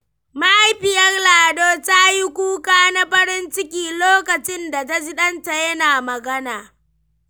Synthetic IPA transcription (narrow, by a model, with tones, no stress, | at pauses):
ma˦ʔa˦jɸɪ˨jɐ˦rlaː˨doː˦ta˦ji˦kʷuː˦kaː˦na˦ɸɐ˦ɾɪ˦nt͡ʃɪ˦kʲiː˨loː˦kɐ˨t͡ʃɪ˦nda˨t̬a˦d͡ʒi˦ɗɐ˦nta˨jɐ˦naː˨mɐ˨ɡɐ˦naː˨